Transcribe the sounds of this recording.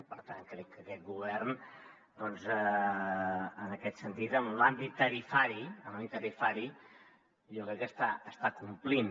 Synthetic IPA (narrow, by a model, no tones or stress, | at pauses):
pəɾt̪aŋkɾɛkːəkɛt̪̚ɡuβ̞ɛrn | d̪ɔnzə | ənəkɛt̪sənt̪it̪əmlambit̪ːəɾifaɾiəmlambit̪əɾifaɾi | ʎɔkɾɛkːəst̪aəst̪akumplin